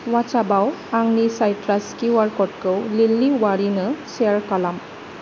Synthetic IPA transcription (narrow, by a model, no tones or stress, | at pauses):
wat͡ʃabawaŋnisajtɾaskiwaɾkɔʈ̚kɯwlilːiwaɾinɯseɾkalam